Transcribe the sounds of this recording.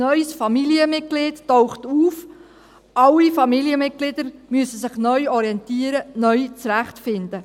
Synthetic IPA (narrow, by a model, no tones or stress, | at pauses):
nœʏsfɑmiliəmɪt̚ɡ̥lɪːdtowχtuːf | ʔɑlːifɑmiliəmɪt̚ɡ̥lɪd̪əɾmyəsəsɪχnœʏɔɾiɛnt̪iəɾənœʏt͡sɾæχtfɪnd̪ə